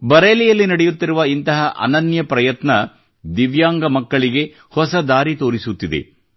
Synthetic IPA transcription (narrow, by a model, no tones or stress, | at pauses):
bɐɾeːlijɐlːinɐɽejut̪ːiɾuʋɐint̪ɐɦɐʔɐ̰nɐnjɐpɾɐjɐt̪nɐ | d̪iʋjaːŋɡɐmɐkːɐɭiɡe̞ | hɔsɐd̪aːɾit̪o̞ːɾisut̪ːid̪ḛ